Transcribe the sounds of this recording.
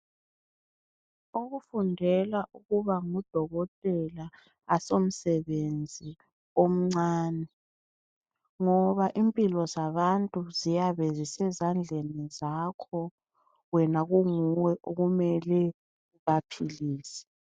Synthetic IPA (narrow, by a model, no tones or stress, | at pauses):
oɣufundʱɛlaʔuɣuβaŋud̥ʱɔɣɔtʼɛla | asom̩sɛβend͡zʱi | om̩ŋ͡ǀaːnɛ | ŋɔβaʔimpʼilɔzaβantʼuzijaβɛzisɛzand͡ɮʱenizakʰɔ | wɛnaɣuŋuwɛʔoɣumɛlɛ | βapʰiliːsɛ̥